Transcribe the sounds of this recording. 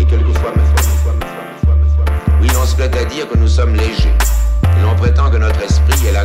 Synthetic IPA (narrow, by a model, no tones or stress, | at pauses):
ekʲɛlkəfwamɛwakɛfaɛɛkəwawawilɔ̃səplɛt̪ad̪iʁkənusɔmleʒeilɔ̃pχet̪ɑ̃kənɔt̪χɛspχiɛla